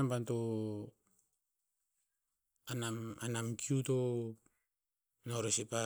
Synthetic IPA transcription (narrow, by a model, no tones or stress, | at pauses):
ampanto | anamanamkiuto | noɾosipa